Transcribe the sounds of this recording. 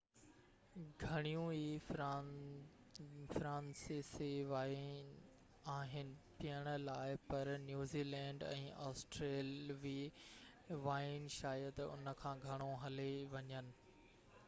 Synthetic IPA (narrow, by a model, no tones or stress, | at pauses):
ɡʱɐɽ̃ijũi | fɾãːnseseʋaːɪn | aːɦɪnɪ̆pijəɽ̃ʊ̆laːɪpɐɾnjuːziːlɛ̃ːɳɖɛ̰̃ːʔaːsʈɾeːlʋiː | ʋaːɪnʃaːjəd̪ʊ̰nəkʰãːɡʱɐɽ̃oɦɐleʋɐɲənɪ̆